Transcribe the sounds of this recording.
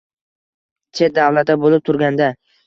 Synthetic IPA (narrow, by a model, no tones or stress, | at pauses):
t͡ʃʰe̞t̪̚d̪avlat̪abolɪp̚t̪ʰʊɾɡʲand̪a